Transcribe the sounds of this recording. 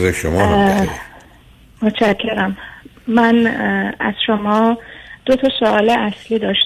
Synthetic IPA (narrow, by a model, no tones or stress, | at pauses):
zeʃomɒ | mot̪t͡ʃʰækʰːeɾæmː | ænæ̰z̥ʃomɒːd̪̥ot̪ʰɒːsoɒːleʔæsliːd̪ɒːʃ